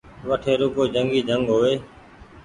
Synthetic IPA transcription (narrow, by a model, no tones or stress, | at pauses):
ʋəʈʰeːɾʊkoːd͡ʒəŋɡiːd͡ʒəŋɡɦoːʋeː